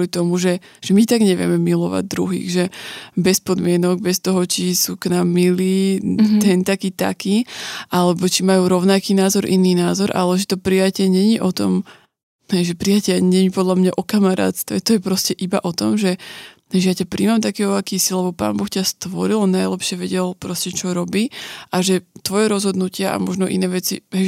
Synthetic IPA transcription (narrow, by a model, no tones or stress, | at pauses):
lit̪ɔmuʒɛ | ʒ̥ɛmit̪aɡɲɛʋɪɛ̰mɛmilɔʋa̰ɟ̚d̪ɾṵɦḭːɣʒɛbɛspɔd̪mɪɛnɔɡ̚bɛst̪ɔɦɔt͡ʃisuːknaːmːiliːt̪ɛnt̪akiːt̪a̰kiːʔalɛbɔt͡ʃimajuːɾɔʊnakiːnaːzɔɾʔḭniːnaːzɔɾʔa̰lɛʒɛt̪ɔpɾijacɪɛɲɛɲiʔɔt̪ɔm | ɦɛjʒɛpɾijacɛɲɛɲipɔd̪ʎamɲaʔɔkamaɾa̰ːt̪st̪ʋɛ̰t̪ɔjɛpɾɔscɛʔibaʔɔt̪ɔmʒɛɦɛʒɛjacapɾiːmamt̪akɛːɦɔakiːsilɛbɔpa̰ːnbɔxcast̪ʋɔɾilɔnajlɛpʃɪɛʋɛɟɛlpɾɔscɛt͡ʃɔɾɔbiːʔaʒɛt̪ʋɔjɛɾɔzɦɔd̪nucɪaʔa̰mɔʒnɔʔḭnɛːʋɛt͡siɦɛ